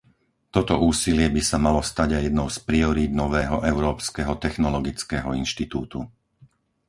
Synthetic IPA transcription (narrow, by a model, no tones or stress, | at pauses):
t̪ɔt̪ɔʔuːsilɪɛbisamalɔst̪aɟajɛd̪nɔʊspɾiɔɾiːd̪̚nɔʋɛːɦɔʔɛʊɾɔːpskɛɦɔt̪ɛxnɔlɔɡit͡skɛːɦɔinʃt̪it̪uːt̪u